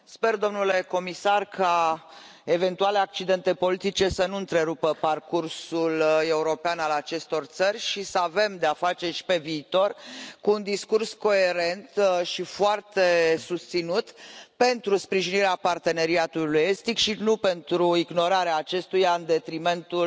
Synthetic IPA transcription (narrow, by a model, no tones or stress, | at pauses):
spe̞rd̪o̞mnule̞ko̞misarkʰa | e̞ve̞nt̪uale̞ak̚t͡ʃid̪e̞nt̪e̞po̞lit̪it͡ʃe̞sənuɨnt̪ɾe̞ɾupəparkursule̞uɾo̞peanalat͡ʃe̞st̪o̞rt̪sərʲʃisəave̞md̪eafat͡ʃe̞rʃi̥pe̞viːt̪o̞rkuːnd̪iskursko̞e̞ɾe̞nt̪ʃifoart̪e̞sust̪sinut̪pe̞nt̪ɾuspɾiʒiniɾeapart̪e̞ne̞ɾiat̪uluje̞st̪ikʃinupe̞nt̪ɾuiɡno̞ɾaɾeaːt͡ʃe̞st̪ujaɨnd̪e̞t̪ɾime̞nt̪u